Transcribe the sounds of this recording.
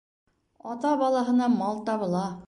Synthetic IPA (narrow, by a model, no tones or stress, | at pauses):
ɒt̪ɑbɑlˠɑɦɤ̆nɑmɑlˠt̪ɑβɤ̆lˠɑ